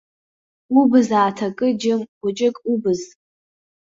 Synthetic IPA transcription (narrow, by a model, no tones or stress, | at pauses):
ubɨzaːtʰakʼɨd͡ʒɪmɡʷʊt͡ʃʼɪkʼubɨz